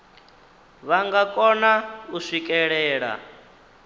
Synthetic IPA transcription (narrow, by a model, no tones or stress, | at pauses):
βaŋɡakʼɔnauʂikʼɛɺɛːɺa̰